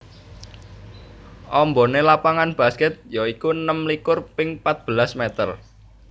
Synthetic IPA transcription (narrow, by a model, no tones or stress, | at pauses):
ʔɔmbɔ̤nelapaŋanb̥a̤skɛt̪̚jɔikunəmlikʊrpɪŋpat̪̚b̥ə̤lasmet̪ər